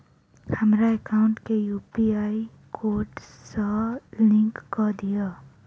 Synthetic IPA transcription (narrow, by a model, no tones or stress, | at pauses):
həmɾaekaʊ̃ɳʈkejuːpiaːi | kʰoːɖsəlɪ̃ŋkkːɔd̪ija